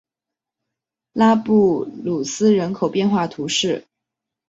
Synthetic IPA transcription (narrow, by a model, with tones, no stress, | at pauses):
la˥pu˥˩lu˨˩sɹ̩˥ɻə˧˥nkʰo˨˩ʊpjɛ˥˧nxwa˥˩t̪ʰu˧˥ʂɻ̩˥˩